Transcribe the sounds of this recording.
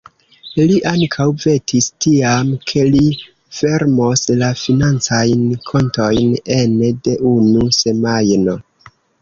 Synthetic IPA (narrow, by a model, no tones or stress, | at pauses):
liʔaŋkʰawve̞tʰistiamkʰe̞li | fe̞ɾmo̞slafinant͡sajnkʰo̞nto̞jnende̞ʔunuse̞majno̞